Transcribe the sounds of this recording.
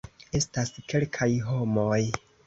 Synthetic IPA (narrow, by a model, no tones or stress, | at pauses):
e̞staske̞lkʰajɦo̞moj